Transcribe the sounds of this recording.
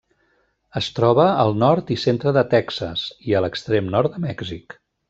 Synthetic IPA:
əst̪ɾɔβəəlˠnɔɾt̪isent̪ɾəðət̪ɛksə̰siələkst̪ɾemnɔɾt̪d̪əmɛɡzik

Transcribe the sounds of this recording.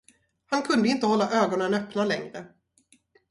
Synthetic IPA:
hankʰɵnd̪əɪnt̪əhɔlːaʔøːɡɔnənœpnalɛŋɾə

